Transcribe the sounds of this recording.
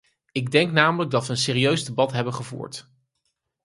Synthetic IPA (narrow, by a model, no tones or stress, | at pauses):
ɪɡdɛŋknaːmələɡ̚dɑtʋəənsɪːɾiøɥzdəbɑtɦɛbənχəvṵːɹt